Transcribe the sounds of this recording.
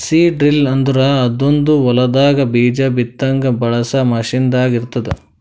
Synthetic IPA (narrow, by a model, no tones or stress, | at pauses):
siːɖɾilɐnd̪uɾɐːd̪ond̪uɔlɐd̪aːɡɐbiːd͡ʒɐbit̪ːɐŋɡɐbɐɭɐsɐmɐʂind̪aːɡiɾt̪ːɐd̪ḛ